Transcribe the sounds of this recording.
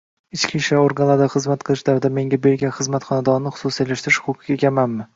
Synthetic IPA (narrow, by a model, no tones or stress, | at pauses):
ɪt͡ʃkʲʰiʃaoɾɡanlˠad̪aχɨzmat̪̚qʰɨlˠɪʃd̪avd̪ame̞ŋɡʲabe̞ɾɡʲanχɨzmat̪χɒnad̪ɒɾnɪχʊ̥susielaʃt̪ɾɪʃqʰʊkʰɪɡʲaekʲamanmɪ